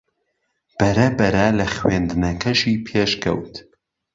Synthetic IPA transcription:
b̥ɐɾɐbɐɾɐlɐxwend̪ɨnɐkʰɐʃiːpʰeːʃkʰɐ̰wt̪

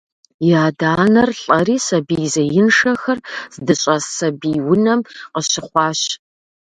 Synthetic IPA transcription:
jaːdaːnɐrɬʼɐriːsɐbiːzɐjɪnʂɐxɐrz̥dɨɕʼɐssɐbiːwʊnɐmqəɕɪχʷɑːɕ

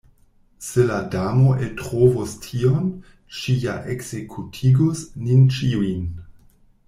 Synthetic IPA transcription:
seladamoʔetʁovostʰion | ʃijaʔekz̥ekʰutʰiɡosnint͡ʃiuin

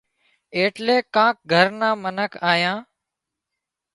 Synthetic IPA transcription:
eːʈleːkãːk̚ɡʱəɾnãːmənəkʰaːjãː

